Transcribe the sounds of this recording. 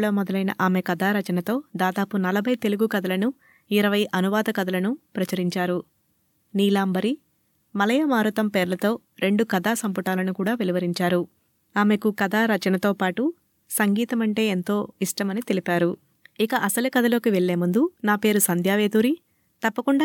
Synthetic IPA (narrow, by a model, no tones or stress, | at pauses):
ɭoːmɔd̪ɐlɐjnɐ̰ʔaːme̞kɐd̪ʱaːɾɐt͡ʃɐnɐt̪o̞ːd̪aːd̪aːpunɐlɐbʱɐjt̪e̞luɡukɐd̪ɐlɐnu | iɾɐʋɐjʔɐnuʋaːd̪ɐkɐd̪ɐlɐnupɾɐt͡ʃɐɾiɲt͡ʃaːɾu | niːlaːmbɐɾi | mɐlɐjɐmaːɾut̪ɐmpeːɾlɐt̪o̞ː | ɾe̞ɳɖukɐd̪aːsɐmpuʈaːlɐnukuːɽaːʋeliʋɐɾiɲt͡ʃaːɾu | aːme̞kukɐd̪aːɾɐt͡ʃɐnɐt̪o̞ːpaːʈu | sɐŋɡiːt̪ɐmɐɳʈe̞ːent̪o̞ːiʂʈɐmɐnit̪e̞lipaːɾu | ikɐʔɐsɐlukɐd̪ʱɐlo̞ːkiʋe̞ɭːe̞ːmund̪unaːpe̞ːɾusɐnd̪ʱjaːʋe̞ːt̪uːɾi | t̪ɐpːɐkuɳɖaː